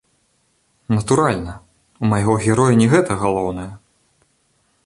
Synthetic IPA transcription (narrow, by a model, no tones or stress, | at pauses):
nɐt̪uɾalʲnɐ | umajɣɔɣʲɛɾɔjɐnʲɛɣɛt̪ɐɣalˠɔwnɐjɐ